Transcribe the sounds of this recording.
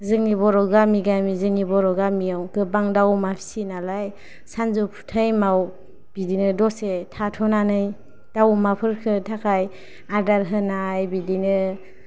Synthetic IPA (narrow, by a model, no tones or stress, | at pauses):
zɯŋnibɔɾɔɡamiɡamizɯŋnibɔɾɔɡamijawkɯbaŋdawmapʰi̥sinalaj | sanzupʰu̥tʰajmaw | b̥idinɯdɔsetʰatʰɔnanɯj | d̥awmapʰɯɾkʰɯtʰakʰaj | aɾdaɾɦɯnajbidinɯ